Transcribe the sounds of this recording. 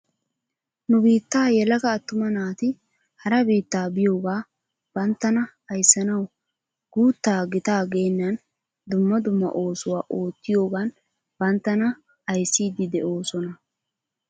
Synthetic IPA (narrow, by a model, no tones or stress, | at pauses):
nʊbiːt̪ːaːjɛlɐɡɐːt̪ːʊmɐnaːt̪ɪ | hɐɾɐbiːt̪ːaːbɪjo̞ːɡaː | b̥ɐnt̪ːɐnɐ | ɐjsːɐnɐw | ɡ̥uːt̪ːaːɡɪt̪aːɡeːnːɐn | d̪ʊmːɐd̪ʊmːɐ̰ʔo̞ːsʊwaːʔo̞ːt̪ːɪjo̞ːɡan | b̥ɐnt̪ːɐnɐ | ɐjsːiːd̪ɪd̪ɛʔo̞ːsɔnɐ